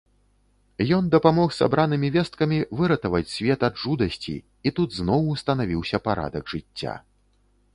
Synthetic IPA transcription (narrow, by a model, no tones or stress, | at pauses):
jɔnd̪ɐpamɔxsa̰bɾanɨmʲivʲɛst̪̚kɐmʲivɨɾɐt̪ɐvɐt͡sʲsʲvʲɛt̪ɐd̪ʐud̪ɐsʲt͡sʲḭ | it̪ud̪znɔwːst̪ɐnavʲiwsʲɐpaɾa̰d̪ɐɡʐɨt͡sʲːa̰